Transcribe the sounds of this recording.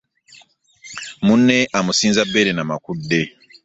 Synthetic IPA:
mũnːeʔamusĩnzabeɾenamakudːe

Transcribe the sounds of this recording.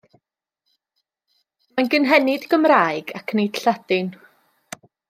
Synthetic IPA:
manɡənɦɛnɪdɡəmraːɨɡakʰnejd̥ɬad̥ɪn

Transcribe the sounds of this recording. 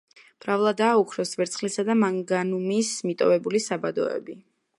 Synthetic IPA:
b̥ɾavlˠad̪aːukʰɾɔsvɛɾt̪sχlisad̪amaŋɡanumismit̪ʼɔvɛbulisabad̪ɔ̰ɛ̰bi

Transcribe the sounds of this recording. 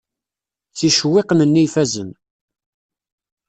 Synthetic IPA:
θiʃwɪqnənːifæzən

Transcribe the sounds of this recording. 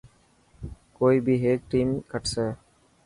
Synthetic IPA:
koːiːbiːɦeːk̚ʈiːmkəʈseː

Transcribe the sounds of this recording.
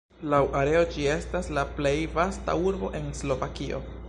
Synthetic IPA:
lawʔaɾe̞o̞d͡ʒie̞staslaple̞jvasta̰uɾbo̞̰ʔe̞nslo̞vakio̞̰

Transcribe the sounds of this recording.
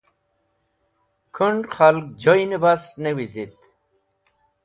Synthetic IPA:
kʰəɳɖχalk̚d͡ʑojnibasnewizit̪

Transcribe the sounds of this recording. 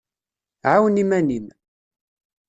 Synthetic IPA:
ʕawənimænim

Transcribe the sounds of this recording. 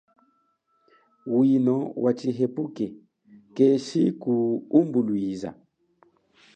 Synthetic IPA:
winɔwʔat͡ʃiɦɛpukɛ | kɛʃikuumbulwiza̰

